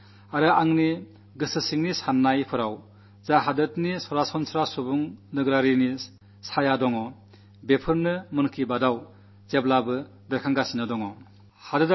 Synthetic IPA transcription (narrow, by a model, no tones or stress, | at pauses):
aɾɯaŋni | ɡɯsɯsiŋnisanːajpʰɯɾaw | zaɦadɯtnisɔwɾasɔnsʰɾasubuŋnɯɡɾaɾini | sajadɔŋɔ | bepʰɯɾnɯmɯnkʰibadaw | zeblabɯ | bekʰaŋɡasinadɔŋɔ | hadɯd